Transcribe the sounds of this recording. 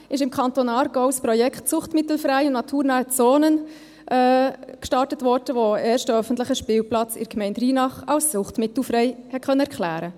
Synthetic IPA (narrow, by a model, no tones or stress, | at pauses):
ɪʃɪmkʰɑntoːnɑːɾɡ̥oʊspɾɔjɛkχtt͡sʊχtmɪtl̩fɾæɪʊnnɑtʰuːɾnaːt͡soːnən | ʔɛːkʃtɑɾtətʋɔɾd̥əʋoɛːɾʃtəœfən̩tlɪχəʃpɪːwplɑt͡sɪ̰ɾkmɛɪntriːnɑχɑʊsːʊχtmɪtl̩fɾɛɪhɛt̚kχœnːəɛɾkʰχlæ̰ːɾə